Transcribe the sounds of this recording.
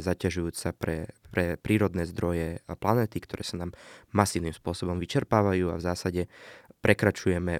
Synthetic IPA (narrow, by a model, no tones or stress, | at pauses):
zacaʒujuːt͡sapɾɛpɾɛpɾiːɾɔd̪nɛːzd̪ɾɔjɛplanɛːt̪ikt̪ɔɾɛ̰ːsanaːmːasiːʊnimspʊɔsɔbɔmʋit͡ʃɛɾpaːʋajuːa̰vzaːsaɟɛpɾɛkɾat͡ʃujɛmɛ